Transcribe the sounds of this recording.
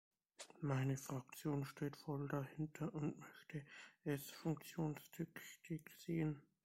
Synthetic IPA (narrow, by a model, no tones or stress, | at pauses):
maɪnəfʁ̥ak̚t͡sjoːnʃteːtfɔldahɪntʰɐʔʊntmœçtʰəʔɛsfʊŋk̚t͡sjoːnstʰʏktɪkz̥eːən